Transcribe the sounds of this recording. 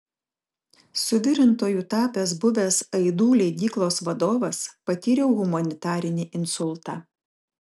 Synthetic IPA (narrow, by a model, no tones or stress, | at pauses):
sʊʋʲɪɾʲɪnt̪oːjuːt̪ɑːpʲeːsbʊʋʲeːsɐɪd̪uːlʲɛɪɡ̪ʲiːklˠoːsʋɐd̪oːʋɐspɐt̪ʲiːɾʲɛʊɣʊmɐnʲɪt̪ɑːɾʲɪnʲɪʔɪnsʊlˠt̪ɑː